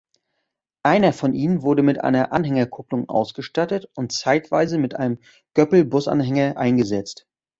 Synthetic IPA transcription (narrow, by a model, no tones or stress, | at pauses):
ʔaɪnɐfɔnʔiːnənvʊɐdəmɪtʔa̰ɪnɐʔa̰nɦɛŋɐkʰʊplʊŋʔa̰ʊsɡ̥əʃtatətʊntt͡saɪtv̥aɪzəmɪtʔa̰ɪnəm | ɡ̥œpl̩bʊsa̰nɦɛŋɐʔaɪnɡəzɛt͡st